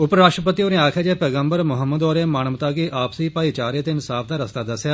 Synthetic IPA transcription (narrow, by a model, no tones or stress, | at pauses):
ʊpɾaːksʈɾəpət̪iːoːnẽːaːkʰeːd͡ʒeːpɛːɡəmbəɾmʊɦəmːəd̪ɔːɾeːmaːnəmt̪aːkiːʔaːpsiːpaːiːt͡ʃaːɾeːt̪eːɪnsaːpʰd̪aːɾəst̪aːd̪əsjaː